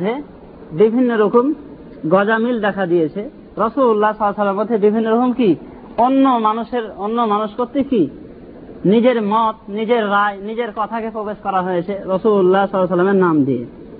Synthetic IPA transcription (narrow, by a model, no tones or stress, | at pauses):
e | bibʱinːoɾokom | ɡɔd͡ʑamild̪ɛkʰad̪ijet͡ɕʰe | ɾɔsululːasɔlːsɔlːeɾmod̪ʱːebibʱinːoɾokomki | onːomanuʃeɾonːomanoʃkoɾt̪ːiki | nid͡ʑeɾmɔt̪̚nid͡ʑeɾːaenid͡ʑeɾkɔt̪ʰakepɾobeʃkɔɾaɦojet͡ɕʰeɾɔsululːasɔlːas̬ɔlːameɾnamd̪ije